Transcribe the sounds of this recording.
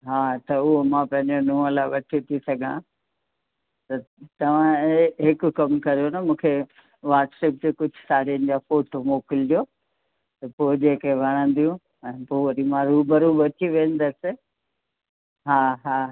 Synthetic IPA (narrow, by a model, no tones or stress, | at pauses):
ɦaːt̪ɐʊɦomãpɐ̃ɦɪ̃ɲd͡ʑonũːlaɪʋɐʈʰit̪ʰisɐɡʱã | t̪ɐt̪ɐʋ̤ãeɦɪkʊkɐmkɐɾijonamũːkʰe | ʋaːɾʈseːp̚d͡ʑekʊd͡ʑʱʊsaːɽiənɪ̆d͡ʑaːfoːʈomoːkɪld͡ʑoː | t̪ɐpoːd͡ʑeːkeʋɐɽ̃ə̃nd̪ijũ | ɛ̃ːpoːʋɐɾimãɾuːbəɾubɐt͡ɕiʋẽːə̃n̆d̪ɐsɪ | ɦaːɦaː